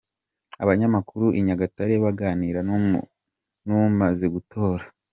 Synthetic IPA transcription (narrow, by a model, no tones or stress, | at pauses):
aβaɲamakuɾuʔiɲaɡataɾeβaɡaːniːɾa | numaze̞ɡutʰo̞ːɾa